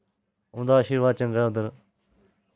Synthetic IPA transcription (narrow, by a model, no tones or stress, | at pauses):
ʊ̃ːnd̪aːʃiːɾʋaːd̪̚t͡ʃə̃ŋɡaːd̪əɾ